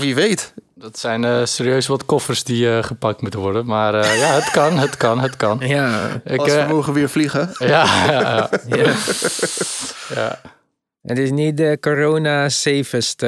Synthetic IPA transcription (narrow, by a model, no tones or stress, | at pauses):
ʋiʋeːt | dɔtsɛjnəseːɾiøɥsʋɔtkɔfərsdiəχəpak̚tmutənʋɔrdənmaːrjaɦətkɑnɦətkɑnɦətkɑnjaɪksəmoɣəʋɪːɹfliɣəjaaa | ja̰ | ə̰tɪsnit̚dəkoɾoːnaseːfəst